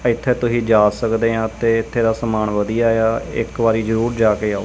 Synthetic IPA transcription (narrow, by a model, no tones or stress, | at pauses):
ɪt̪ʰːeːt̪ʊsĩːd͡ʒaːsəkd̪eːãːt̪eːɪt̪ʰːeːd̪aːsəmaːnʋəd̪ijaːejaːɪ̰kʋaːɾiːd͡ʒəɾuːɾd͡ʒaːkeːaː